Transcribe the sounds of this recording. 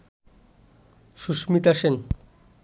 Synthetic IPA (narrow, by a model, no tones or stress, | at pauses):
ʃuʃmit̪aʃen